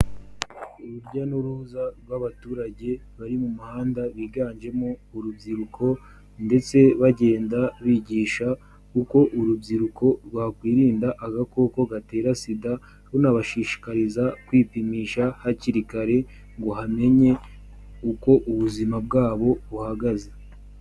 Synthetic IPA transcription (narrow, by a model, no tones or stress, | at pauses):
uβuɾɟanuɾuzaɾɡwaβatuːɾaɟe̞ | βaɾimumuhaːndaβiːɡaːnd͡ʒe̞moːɾubɟiɾukʰo̞ | nde̞t͡se̞βaɟe̞ːndaβiːɟiːʃa | kuko̞ʔuɾubɟiɾukʰo̞ɾwaːkwiːɾiːndaʔaɡako̞ːko̞ɡate̞ːɾasida | βonaβaʃiːʃi̥kaɾizakwiːpimiːʃahaciɾikaɾe̞ | ŋɡo̞ɦame̞ɲe̞ | uko̞ʔuβuzimab̚ɡaːβo̞βuhaɡaze̞